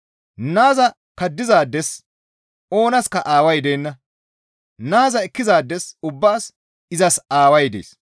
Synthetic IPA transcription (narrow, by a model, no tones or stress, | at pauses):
naːzɐ | kɐd̪ːɪzaːd̪ːɛs | o̞ːnɐskɐʔaːwɐjd̪ejːnːɐ | naːzɐɛkːɪzaːd̪ːɛsʊbːaːs | ɪzɐsaːwɐjd̪ḛːs